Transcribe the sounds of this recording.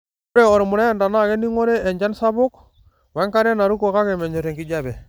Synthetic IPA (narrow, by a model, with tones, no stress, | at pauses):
u˦ɾɛ˨ɔ˨ɾmʊ˨ɾa˦˨nda˨na˦˨ɡɛ˦ni˦ŋɔ˦ɾɛ˦ɛ˨ɲd͡ʒa˦nsa˦bʊ˦k | wɛ˦ŋka˦ɾɛ˦na˨ɾu˦kɔ˨ka˦kɛ˨mɛ˨ɲɔ˨ɾe˨ŋki˦ɟa˦bɛ˨